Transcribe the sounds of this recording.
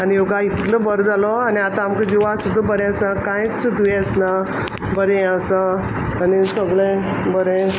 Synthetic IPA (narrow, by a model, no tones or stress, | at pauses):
anijoɡait̪ləbəɾd͡zalɔaniat̪aamkəd͡ʑiʋasud̪ʱːabəɾɛ̃əsakãjt͡səd̪ueəsna | bəɾẽasa | anisəɡɭẽ | bəɾẽ